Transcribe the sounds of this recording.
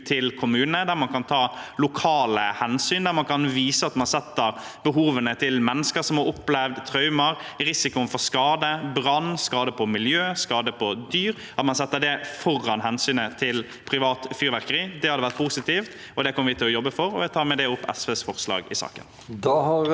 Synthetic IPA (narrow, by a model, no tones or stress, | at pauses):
t̪ʰɪlkʰʊmʉːnənəd̪æɾmɑnkʰɑnt̪ʰɑːlʊkʰɑːləhɛnsyːnd̪æɾmɑnkʰɑnʋiːsəɑt̪mɑnsɛt̪ːəɾbəɦuːʋənət̪ʰɪlmɛnːəskəɾsɔmhɑɾʊpːlɛʋd̪t̪ʰɾɑʉməɾɾɪsɪkʊnfɔɾskɑːd̪əbɾɑnːskɑːd̪əpʰɔmɪljøːskɑːd̪əpʰɔd̪yːɾ | ɑt̪mɑnsɛt̪ːəd̪ɛfɔɾːɑnɦɛnsyːnət̪ʰɪl | pʰɾɪʋɑːt̪fyːɾʋæɾkəɾiːd̪ɛhɑd̪əʋæɾt̪̚pʰuːsɪt̪iːft̪ | ɔd̪ɛkʰɔmːəʋɪt̪ʰɪlɔjɔbːəfɔɾɔ̰ʋɛt̪ʰɑːɾmɛd̪ɛʊpːɛ̰sʋesfɔɾslɑ̰ːɡɪ̰sɑ̰ːkə̰n | d̪ɑ